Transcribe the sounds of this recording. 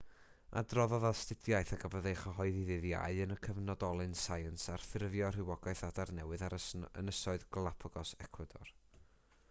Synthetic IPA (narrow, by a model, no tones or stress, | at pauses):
a̰drɔðɔðastɪdjajθaɡavəðejχɔɦɔɨðiðɨðja̰ɨənəkʰəvnɔdɔlˠɨnsajənsarθɪrvjɔr̥ɪwɔɡaɨθadarnɛwɨðaɾəsə̰nəsɔɨðɡlˠapʰɔɡɔsɛkʰwadɔ̰r